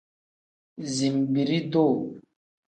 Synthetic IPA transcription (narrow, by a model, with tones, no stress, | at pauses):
zi˨mbi˨ɾi˦do˦˨